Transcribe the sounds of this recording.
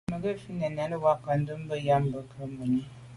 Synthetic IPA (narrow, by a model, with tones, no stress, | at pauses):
mə˨ɡe˦fi˦nɛ˨na˨˦nə˦wa˦kːa˨n˦də˦m˦bə˦ja˦mbə˦kʰə˦mːə˨ni˦